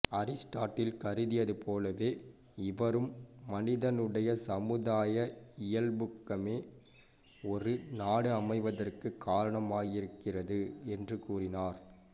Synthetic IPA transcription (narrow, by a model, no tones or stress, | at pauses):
ɐɾɪsʈaːʈːɪlkɐɾɯðɪjɐðɯpoːlɐʋeː | ɪʋɐɾɯmːɐnɪðɐnɯɽɐjɐsɐmɯðaːjɐɪjɐlbʊkːɐmeː | ɔɾɯnaːɽɯɐmɐɪʋɐðɐrkɯkʰːaːɾɐɳɐmaːjɪɾɯkːɪrɐðɯɛndrɯkuːrɪnaːɾ